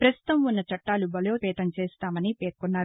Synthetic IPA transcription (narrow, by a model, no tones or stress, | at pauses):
pɾɐst̪ut̪ɐmunːɐt͡ʃɐʈːaːlubɐloːpɛːt̪ɐmt͡ʃeːst̪aːmɐnipeːɾkunːaːɾu